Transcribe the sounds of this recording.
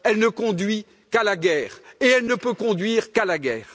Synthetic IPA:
ɛlnəkɔ̃d̪ɥi | kalaɡɛːʁeɛlnəpøkɔ̃d̪ɥiːʁkalaɡɛːʁ

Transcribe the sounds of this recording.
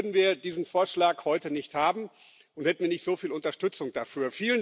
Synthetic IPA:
ɐdn̩viːɐdiːzn̩foːɐʃlaːkhɔʏtənɪçthaːbm̩ | ʔʊnthɛtn̩viːɐnɪçtz̥oːfiːlʊntɐʃtʏt͡sʊŋd̥afyːɐfiːlən

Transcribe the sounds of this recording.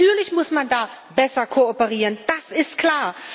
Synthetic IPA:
yːɐlɪçmʊsmandaː | bɛsɐkʰoopəʁiːʁənd̥asɪstkl̥aːɐ

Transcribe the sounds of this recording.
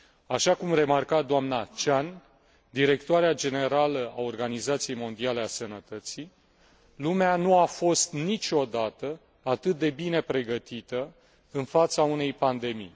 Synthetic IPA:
aʃakumre̞markat̪̚d̪oamnat͡ʃan | d̪iɾe̞kt̪oaɾead͡ʒe̞ne̞ɾaləao̞rɡanizat̪sijejmo̞nd̪iale̞asənət̪ət̪si | lumeanuafo̞st̪nit͡ʃʲo̞d̪at̪ə | at̪ɨt̪̚d̪e̞bine̞pɾe̞ɡət̪it̪ə | ɨnfat̪saune̞jpand̪e̞mḭj

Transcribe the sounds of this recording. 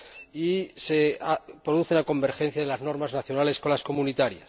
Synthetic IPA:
iseapɾo̞ðuθe̞nako̞mbe̞ɾxe̞n̟θjaðe̞lazno̞ɾmaznaθjo̞nale̞sko̞nlasko̞munit̪aɾja̰s

